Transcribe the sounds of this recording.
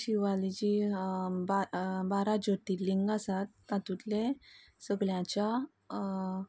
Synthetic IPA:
ɕiʋalid͡ʑi | babaɾad͡ʑot̪iːliŋɡasat̪ːãt̪ut̪le | səɡɭjãt͡ɕa

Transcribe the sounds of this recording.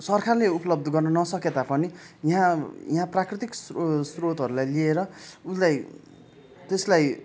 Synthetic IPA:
sʌrkʰarleupʌlʌb̚d̪ʱʌɡʌrnʌnʌsʌket̪apʌnijɦãjɦãprakrit̪ikssrot̪ɦʌɾulajlieɾʌulaj | t̪eslaj

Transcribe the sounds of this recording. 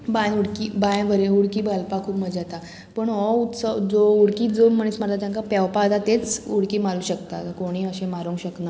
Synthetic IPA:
bajnuɽkiːbajʋəɾeuɽkiːbəlpakʰuːpməd͡zat̪a | pəɳɦɔut̪səd͡zouɽkiːd͡zomm̤əɳ̃esməɾt̪at̪jãŋkapɛwpat̪at̪et͡suɽkiːmaluːɕəkt̪akoɽ̃iːəɕẽmaɾũŋkɕəkna

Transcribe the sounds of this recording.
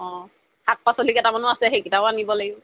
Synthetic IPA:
ɔ̃ | hat̚pasolikɛtamanʊasɛɦekitaʊanibɔlaɡibɔ

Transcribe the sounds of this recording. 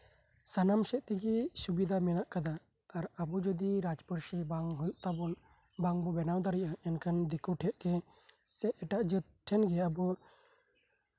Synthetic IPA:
sanamsɛt̪̚t̪ɛɡɛsubid̪ʱamɛnaʔkad̪a | aɾabɔd͡ʒɔd̪iɾad͡ʒpɔɾʃibaŋɦujuʔt̪abɔn | baŋbɔbɛnawd̪aɾɛʔaɛnkand̪ɛkuʈʰɛʔ̪̚kɛsɛʔɛʈaʔd͡ʒət̪̚ʈʰɛnɡɛabɔ

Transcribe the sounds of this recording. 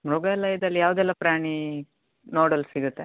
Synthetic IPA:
mɾuɡalɐjd̪ɐlːijaːʋd̪ɛlːɐpɾaːɳi | noːɽɐlsiɡut̪ːe

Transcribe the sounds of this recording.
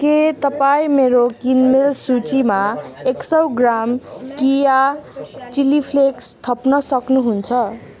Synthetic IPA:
ket̪ʌpaĩmeɾokinmelsut͡simaeksʌwɡramkija | t͡silipʰlekst̪ʰʌpnʌsʌknuɦunt͡sʰʌ

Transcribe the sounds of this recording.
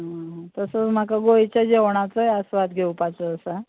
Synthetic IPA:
ɦt̪əsəm̤akaɡojt͡ɕad͡ʑeʋɳ̃at͡səjəsʋat̪ɡʱewpat͡səːsa

